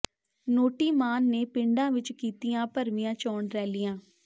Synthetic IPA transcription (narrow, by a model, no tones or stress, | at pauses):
noːʈiːmaːnːeːpɪɳɖãːʋɪt͡ʃkiːt̪ijãːpəɾmɪjãːt͡ʃɔːɳɾɛːlɪːãː